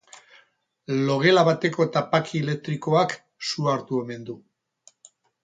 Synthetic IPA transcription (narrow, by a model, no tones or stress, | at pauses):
lo̞ɣe̞laβat̪e̞ko̞t̪apakiele̞k̚t̪ɾiko̞ak | suaɾt̪ue̞me̞nd̪u